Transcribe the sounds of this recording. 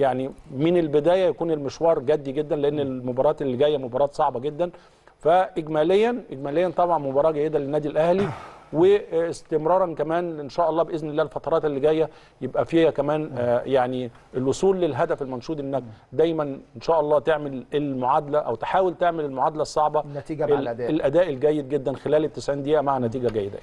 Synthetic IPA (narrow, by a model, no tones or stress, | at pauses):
jaʕnimɪnelbed̪æːjæjækuːnelmeʃwɑːɾˤɡæd̪ːiɡed̪ːænleʔenːelmobɑːɾˤɑːt̪elːiɡæjːæmobɑːɾˤɑːt̪sˤɑʕbɑɡed̪ːæn | fæʔeɡmæːlejːænʔeɡmæːlejːænt̪ˤɑbʕɑnmobɑːɾˤɑːɡæjːed̪ælenːæːd̪ilʔæhliwest̪emɾˤɑːɾˤɑnkæmæːnenʃæːʔɑlˤːɑːbeʔeznelːæːelfɑt̪ˤɑɾˤɑːt̪elːiɡæjːæ | jebʔæfiːhækæmæːnjaʕni | ʔelwosˤuːlːelɦæd̪æfelmɑnʃuːd̪ʔenːæk̚d̪æjmænenʃæːʔɑlˤːɑːt̪eʕmelelmoʕad̪ælæʔæ̰wt̪e̥ħaːwelt̪eʕmelelmoʕaːd̪ælæsˤːɑʕbɑlelʔæd̪æːʔelɡæjːed̪̚ɡed̪ːænxelæːlet̪ːesʕiːnd̪ejʔæmaʕanæt̪iːɡæɡæjːed̪æ̰